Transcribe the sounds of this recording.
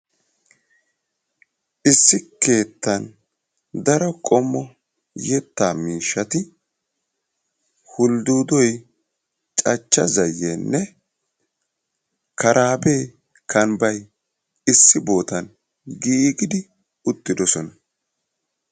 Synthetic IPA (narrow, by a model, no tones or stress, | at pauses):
ʔɪsːɪke̞ːt̪ːɐn | d̪ɐɾɔkʼɔmːɔ | jɛt̪ːaːmiːʃːɐt̪ɪ | hʊld̪uːd̪ɔj | t͡ʃʼɐt͡ʃːɐ̰zɐjːenːɛ | kɐɾʔaːbe̞ː | kʰɐnbɐj | ɪsːɪbo̞ːt̪ɐn | ɡiːɡɪd̪ɪ | ʊt̪ːɪd̪ɔsɔnɐ